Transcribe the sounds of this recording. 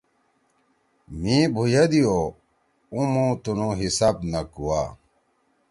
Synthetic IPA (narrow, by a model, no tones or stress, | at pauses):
mĩbʱujad̪ijo | ũmõt̪unõɦisaːb̚nɐkuwaː